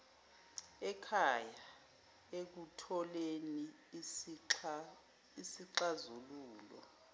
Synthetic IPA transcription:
ɛkʰaja | ek̬utʰɔleni | isiǃazuluːlɔ̰

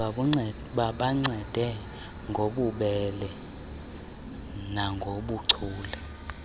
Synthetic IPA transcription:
a | ɓaɓaŋ͡ǀʱɛd̥ʱɛ | ŋɡʱoɓuɓɛlɛ | naŋɡʱoɓuǀʰuːlɛ

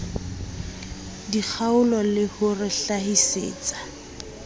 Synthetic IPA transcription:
dik͡xʰaʊlɔlɪhʊrɪɬahisḛːt͡sʼḁ

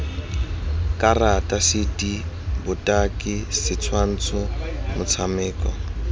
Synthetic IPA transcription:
kʼaratʼasɪtʼi | bʊtʼakʼɪsɪt͡sʰwan̩t͡sʰʊmʊt͡sʰamɪːkʼɔ

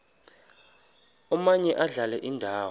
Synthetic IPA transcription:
ɔmaɲɛʔaɮalɛʔindʱaːw

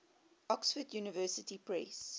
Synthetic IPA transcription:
ʔɔksfədjuːnəvɜːsətipɹɛs

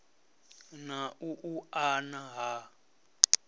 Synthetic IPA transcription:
naʔuʔuanaɦa

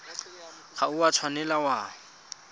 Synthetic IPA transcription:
χauat͡sʰwanɛlawa

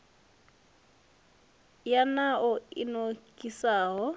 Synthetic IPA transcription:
janaʔʊɪnokʼisaːɦɔ

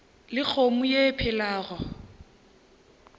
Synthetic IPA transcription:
lɪk͡xʰomʊjepʰɪlaːɣɔ

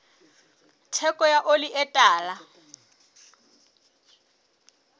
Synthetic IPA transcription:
tʰɛkʼɔjaʔoliʔɛtʼaːla

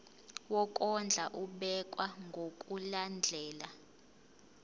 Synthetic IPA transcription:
wɔkʼɔnd͡ɮʱaʔuɓɛkʼwaŋɡʱokʼuland͡ɮʱɛːla

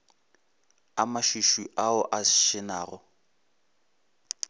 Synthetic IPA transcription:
amaʃiʃuʔaʊʔaʃɪnaːɣʊ

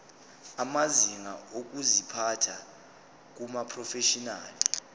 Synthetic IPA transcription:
amaziŋaok̬uzipʰatʰa | k̬umapʰrɔfɛʃɔnaːli

